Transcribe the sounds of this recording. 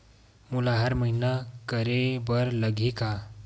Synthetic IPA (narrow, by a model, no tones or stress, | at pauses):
mulaɦaɾməɦinakəɾebəɾləɡʱika